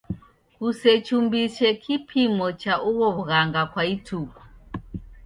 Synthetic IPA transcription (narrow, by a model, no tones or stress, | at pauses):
kuset͡ʃumbiʃekʰipʰimɔt͡ʃaʔuwoβɣaŋɡakwaitʰuːku̥